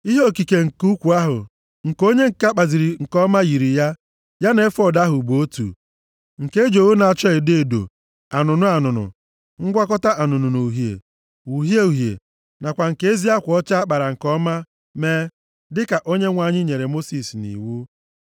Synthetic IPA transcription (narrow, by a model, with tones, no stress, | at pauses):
i˦ɦo˦˨ki˨ke˨ŋ̩˨ku˦kʷu˨a˦ɦʊ̰˨ | ŋ̩˨ko˦ɲe˦ŋ̩˨ka˦k͡pa˨zi˨ɾi˨ŋ̩˨kɔ˦ma˦ji˨ɾi˨ja˦ | ja˦ne˦fɔ˦˨da˦ɦʊ˨bo˦tṵ˨ | ŋ̩˨ke˦d͡ʒo˨wu˦na˨t͡ʃɔ˦ɪ˨de˦˨do̰˨ | a˨nʊ˨nʊ˦a˨nʊ˨nʊ̰˨ | ŋ̩˦ɡʷa˦kɔ˦ta˦ʔa˨nʊ˨nʊ˨no˨ɦjḛ˨ | u˨ɦje˦u˨ɦjḛ˨ | na˨kʷa˨ŋ̩˨ke˦e˦zi˦a˦kʷɔ˦t͡ʃa˦a˦k͡pa˨ɾa˨ŋ̩˨kɔ˦ma˦ | me˦ | dɪ˦ka˨ʔo˦ɲe˦ŋʷa˨ɲɪ˦ɲe˨ɾe˨mo˦si˨snḭ˨wu˦